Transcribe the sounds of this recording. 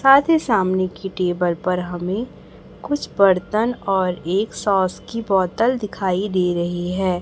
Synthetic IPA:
saːt̪ʰisaːmnekiʈeːbəɾpɐɾɦɐmẽ | kʊt͡ʃʰbɐɾt̪ənɔːɾeːksɔːskibɔːt̪əld̪ɪkʰaːid̪eːɾɐɦiɦɛː

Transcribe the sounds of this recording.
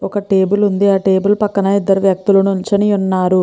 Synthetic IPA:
ɔkɐʈe̞ːbulund̪iaːʈe̞ːbulpɐkːɐnɐid̪ːɐɾuʋjɐk̚t̪ulɐnuint͡ʃɐniunːaːɾu

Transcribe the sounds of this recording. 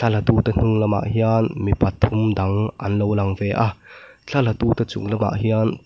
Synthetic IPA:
t͡ɬʰɐlat̪ut̪ɐn̥uŋlɐma̰ʔɦianmipʰɐt̪ʰːumdɐŋʔɐ̰nlowlɐŋvɛʔa | t͡ɬʰɐlat̪uːt̪ɐt͡sʊ̰ŋlɐma̰ʔhian

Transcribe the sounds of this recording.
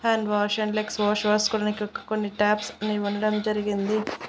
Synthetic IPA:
haːɳɖʋaːʃɐɳɖleksʋoːʃʋɐːskuɾɐnikiɔkːɐ̥ko̞nːiʈaːpsɐniuɳɖɐɽɐmd͡ʒɐɾiɡind̪i

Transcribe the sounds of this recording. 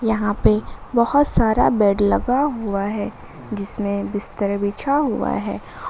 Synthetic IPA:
jɐɦãpebɐhʊt̪saːɾa̰bɛːɖlɐɡaɦuaɦɛː | d͡ʒɪsmẽbɪst̪əɾbiːt͡ʃʰaɦua̰ɦɛ̰ː

